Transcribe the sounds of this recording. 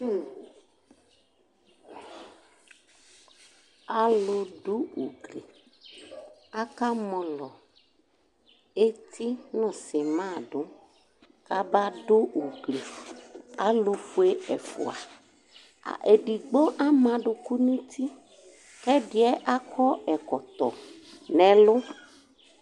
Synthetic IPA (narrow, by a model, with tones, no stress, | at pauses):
a˨lo˨ɖo˦ṵ˨ɡli˨ | a˦ka˦mɔ̃˨lɔ˨ | e˦t̪ʰi˦nɔ̃˨se˨mã˦˨ɖo˨˦ | ka˦ba˦ɖʊ˦u˨ɡli˨ | a˨lʊ˨fu˨e˦ɛ˨fʊ̰˨a̰˨ | a̰˨ʔe˨ɖi˨ɡ͡bo˦ʔa˦mã˨ɖʊ˨ku˦nũ˦t̪ʰi˦ | kɛ˦ɖɪ˨˦ɛ˦ʔa˦kɔ˦ɛ˨kɔ˨t̪ɔ̰˨ | nɛ̃˨lʊ˦